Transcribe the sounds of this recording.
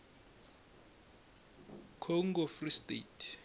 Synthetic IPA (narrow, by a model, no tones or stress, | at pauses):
kʰɔŋɡɔfristʼetʰ